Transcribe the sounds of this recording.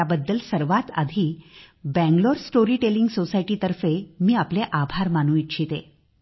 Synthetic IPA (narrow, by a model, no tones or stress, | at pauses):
abəd̪ːəlsəɾʋat̪a̰d̪ʱiːbɛ̃ŋɡloɾsʈoɾiːʈeliŋɡsosajʈiːt̪əɾfemiːapleʔabʱaɾmanuit̪̚t͡ɕʰit̪e